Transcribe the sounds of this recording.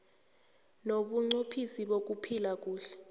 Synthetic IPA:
noɓuŋ͡ǀopʰisiɓok̬upʰilak̬uːɬɛ̥

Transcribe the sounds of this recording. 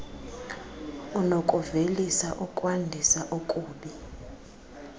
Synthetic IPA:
unokʼuvelisaʔukʼwandʱisaʔokʼuːɓi

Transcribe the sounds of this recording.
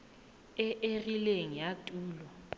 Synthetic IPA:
ɛʔerileŋ̩jatʼuːlɔ

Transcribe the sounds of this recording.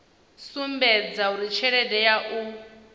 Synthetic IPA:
sumbɛd͡zauɾit͡ʃʰɛɺɛdɛjaʔu

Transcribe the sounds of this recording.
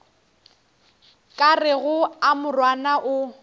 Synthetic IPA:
kʼarɪɣʊamʊrwanaʔʊ

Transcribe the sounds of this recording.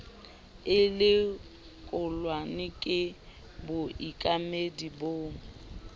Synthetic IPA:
ɪlɪ | kʼʊlwanɪkʼɪ | bʊʔikʼamediboːŋ̩

